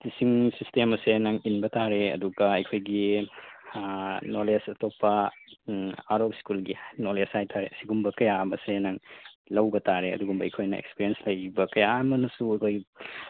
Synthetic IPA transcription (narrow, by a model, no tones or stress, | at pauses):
tisiŋsistemɐsenaŋinbɐtaɾeɐ̰duɡɐɐjkʰojɡi | nolesɐtopːɐ | aɾop̚skulɡinolesajtʰaɾeɐsiɡumbɐkɐjabɐsenaŋlɐwbɐtʰaɾeɐ̰duɡumbɐɐ̰jkʰojnɐḛkspiɾienslɐjbɐkɐjamɐnɐsuɐjkʰojɡ